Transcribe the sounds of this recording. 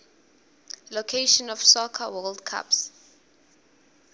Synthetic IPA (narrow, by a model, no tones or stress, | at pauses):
lokʰeʃɔnɔfsɔkʰawɔldkʰa̰ps